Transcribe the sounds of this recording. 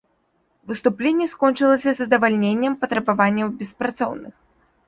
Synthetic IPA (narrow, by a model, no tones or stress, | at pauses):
vɨst̪uplʲenʲːɛskɔnʲt͡ʂɨlˠɐsʲɐzɐd̪ɐvalʲnʲenʲːɐmpɐt̪ɾɐbavanʲːɐwbʲɛspɾat̪sɔ̰wnɨx